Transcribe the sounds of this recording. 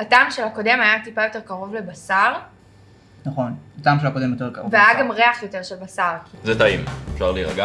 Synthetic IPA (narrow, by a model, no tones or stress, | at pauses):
ataːmʃelako̞de̞majat̪ipajo̞te̞ʁkaʁo̞vle̞basaʁ | naχo̞nataːmʃelakodemjot̪ekaveajaɡamʁeaχjo̞te̞ʁʃelbasaʁkzetaimefʃaʁliʁaɡa